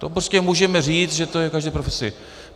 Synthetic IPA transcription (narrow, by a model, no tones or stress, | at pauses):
t̪opɾoscʲɛmuːʒɛmɛriːt͡s̪ʒɛt̪ojɛkaʒd̪ɛjpɾofɛsɪ̰